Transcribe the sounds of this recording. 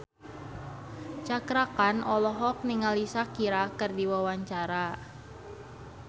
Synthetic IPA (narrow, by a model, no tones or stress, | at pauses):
t͡ʃakɾakanɔlɔɦɔk̚niŋalisakiɾakɨrdiwawaɲt͡ʃaɾa